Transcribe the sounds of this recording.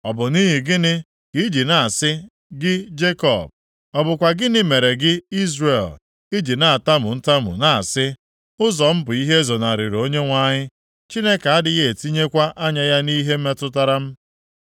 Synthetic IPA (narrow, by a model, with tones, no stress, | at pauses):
ɔ˨bʊ˨niː˦ɦi˨ɡɪ˦nɪ˦ | ki˦d͡ʒi˨na˨a˨sɪ˦ | ɡɪ˦d͡ʒe˦kɔ̰˨b̚ | ɔ˨bʊ˨kʷa˨ɡɪ˦nɪ˦me˨ɾe˨ɡɪ˦i˦zɾe˨l | i˦d͡ʒi˨na˨a˨ta˦mʊ˨n̩˦ta˦mʊ̰˨na˨a˨sɪ˦ | ʊ˦zɔ˨m̩˦bʊ˨i˦ɦe˦zo˨na˨ɾɪ˨ɾo˦ɲe˦ŋʷa˦˨ɲɪ˦ | t͡ʃi˦ne˦ka˨a˦dɪ˦ɣe˨e˨ti˦ɲe˦kʷa˦ʔa˦ɲa˦ja˦ni˦ɦe˦m̩˦me˦tʊ˦ta˦ɾa˦m̩˦